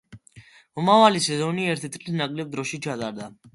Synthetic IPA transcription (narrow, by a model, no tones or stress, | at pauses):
mɔmavalisɛzɔniɛɾt̪ʰit̪ʼqʼlisnakʼlɛb̚d̪ɾɔʃit͡ʃʰat̪ʼaɾd̪a